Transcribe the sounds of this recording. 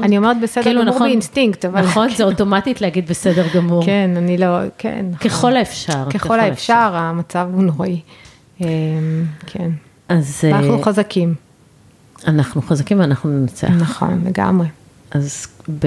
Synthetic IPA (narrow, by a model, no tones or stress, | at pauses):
anio̞me̞ʁet̪̚besedkeilunaʁeinstiŋktavalχonzeoto̞matitleaɡid̪̚besedeʁɡamuʁenanilokʰḛnːakeχolaefʃaʁkeχo̞laefʃaʁamat͡savunoʁi | emkʰen | ʔazanaχnuχazakʰim | anaχnuχazakimanaχnunenat͡sḛnaχo̞̰nle̞ɡa̰mʁe̞ | ʔazb